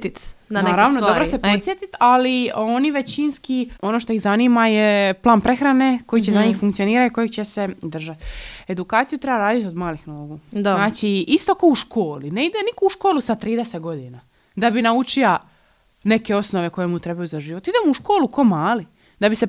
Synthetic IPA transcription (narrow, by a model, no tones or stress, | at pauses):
t̪inaneːɾaʋnod̪obɾosepot̪sjet̪it̪alio̞niʋe̞t͡ɕinskio̞noʃ̬t̪oixzaniːmajeplˠaːnpɾe̞xɾane̞ko̞jit͡ɕezaɲiːxfuŋkt̪sio̞niːɾat̪iko̞jekt͡ɕese̞d̪r̩ʒat̪e̞d̪ukaːt̪sijut̪ɾe̞baɾaːd̪it̪ʲo̞d̪maːlixnoːɡud̪naːt͡ʃiist̪o̞kouʃkʰo̞ːlineid̪enikouʃko̞ːlusat̪ɾiːd̪eset̪ɡo̞d̪ina | d̪abinaut͡ʃia | ne̞ke̞o̞sno̞ʋe̞ko̞jemut̪ɾe̞bajuzaʒiːʋot̪id̪emuuʃkoːluko̞maːli | d̪abise